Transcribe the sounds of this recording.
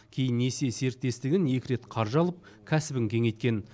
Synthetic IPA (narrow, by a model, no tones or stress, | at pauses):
kʲʰe̞jɪnːe̞se̞se̞ɾt̪ːe̞st̪ɪɡʲɪnje̞kʲɪɾe̞t̪qʰɑɾʒɑlˠəp̚ | kʲʰæsɪbɪŋkʲʰe̞ŋe̞jt̪̚kʲe̞n